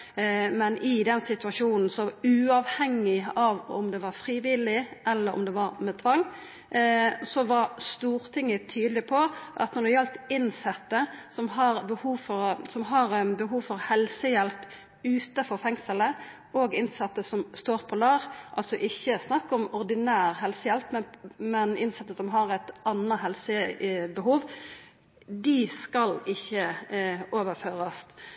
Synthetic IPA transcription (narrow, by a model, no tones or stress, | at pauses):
mɛnʔɪd̪ɛnsɪt̪ʉɑʂuːnn̩sɔʉːɑʋhɛŋːɪɑʋɔ̰md̪ɛʋɑɾfʁiːʋɪlɪʔɛlːəɾɔ̰md̪ɛʋɑɾmɛt̪ʰʋɑŋː | sɔʋɑɾst̪uːɾt̪ʰɪŋːət̪ʰyːd̪lɪpʰɔʔɑ̰t̪nɔʁd̪ɛjɛlt̪ɪnsɛt̪ːəsɔmɦɑɾbəhuːʋfɔɾsɔmɦɑɾbəɦuːʋfɔɾhɛlsəjɛlp | ʉːt̪ɑfɔɾfɛŋsələ | oːɡɪnsɑt̪ːəsɔmst̪oːʁpʰɔlɑːʁʔɑ̰lt̪sɔʔɪçːəsnɑkːɔmɔʁd̪ɪnæːʁhɛlsəjɛlpmɛmɛnɪnsɛt̪ːəsɔmɦɑʁæt̪ɑnːɑɦɛlsəbəɦuːʋ | d̪ɪskɑlɪçːə | oːʋəɾføːɾɑs